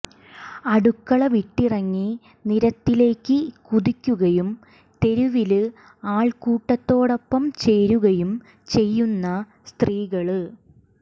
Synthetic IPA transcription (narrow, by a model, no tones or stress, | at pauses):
ɐɽukːɐɭɐʋiʈːirɐŋːi | niɾɐt̪ːile̞ːkːɨkuðikʲːuɣɐjum | t̪e̞ɾuʋilɨ | aːɭkuːʈːɐt̪ːo̞ːɽo̞pːɐmt͡ɕe̞jɾuɣɐjum | t͡ɕe̞jːunːɐ | st̪riːɣɐɭɨ